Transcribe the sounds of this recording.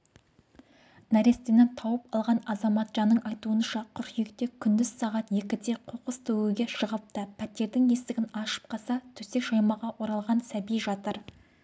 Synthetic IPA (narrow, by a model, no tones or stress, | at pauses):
næɾe̞st̪enɪnt̪ʰɑwəpɑlˠʁɑnɑzɑmɑt̪ʒɑnːəɴʔɑjt̪uənʃɑqʰʊɾχijekt̪e̞kʲʰʏnd̪ɪz̥sɑʁɑt̪je̞kʲɪt̪e̞qʰoqəst̪ʰɵwuɡʲe̞ʃəʁəp̚t̪əpʰæt̪e̞ɾd̪ɪŋje̞st̪ɪɡʲɪnɑʃə̥p̚qʰɑsɑt̪ʰɵse̞kʃɑjmɑʁɑwo̞ɾɑlˠʁɑnsæbijʒɑt̪əɾ